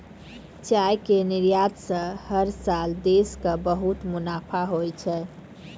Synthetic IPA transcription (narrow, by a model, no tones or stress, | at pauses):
t͡ʃajkeniɾjad̪sə̃həɾsald̪eskəbəɦut̪munapʰaɦojt͡ʃʰɛ